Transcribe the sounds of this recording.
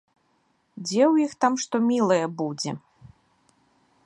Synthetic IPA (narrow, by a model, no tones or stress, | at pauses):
d͡zʲɛwjixt̪amʂt̪ɔmʲilˠɐjɛbud͡zʲɛ